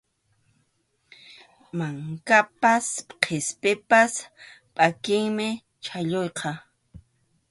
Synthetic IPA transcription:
maŋkapasqʰespɪpaspʼakɪŋmɪ | t͡ʃʰaʎojqʰɑ

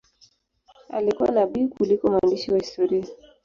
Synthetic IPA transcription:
a̰likuwa̰naɓikulikɔmwandiʃiwahistɔɾia

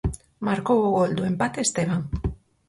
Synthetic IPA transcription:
maɾkoɣoɣold̪ue̞mbat̪est̪eβaŋ

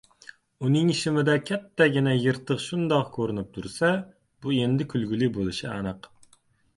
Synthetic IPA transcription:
unɨŋʃɪmɪd̪ɛkʲʰɛt̪ʰːɛɡʲinɛjəɾt̪ʰəqʃund̪ɑqkʰøɾɪnyp̚t̪ʰuɾsɛ | b̥uend̪ɪkʲʰylɡʲylibolˠɨʃiɛ̰nəq

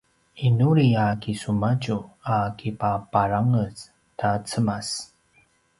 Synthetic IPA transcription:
inuɾiakisumaɟuakʰipapaɾaŋəs | tat͡səmas

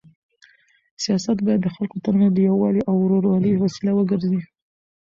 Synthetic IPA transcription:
sijɑsat̪bɑjad̪ːəxalkot̪aɾnad̪əjawɑliʔawɾoɾwɑləjwasilawəɡəɾzi

